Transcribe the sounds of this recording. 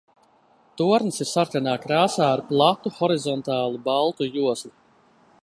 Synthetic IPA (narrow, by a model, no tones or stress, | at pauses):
t̪uɔɾnsisaɾkanaːkɾaːsaːɾplˠat̪uxɔɾizɔnt̪aːlˠubalˠt̪ujuɔsli